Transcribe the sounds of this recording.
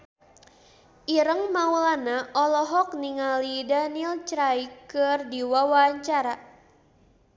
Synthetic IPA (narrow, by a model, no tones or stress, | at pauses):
ʔiɾəŋmawlanaʔɔlɔɦɔk̚niŋalidanilt͡ʃɾajikɨrdiwawaɲt͡ʃaɾa